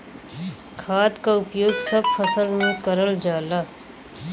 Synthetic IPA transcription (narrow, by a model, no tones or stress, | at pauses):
kʰaːt̪kaʊpjoːɡsɐb̚fəsəlmẽkəɾəld͡ʒaːlaː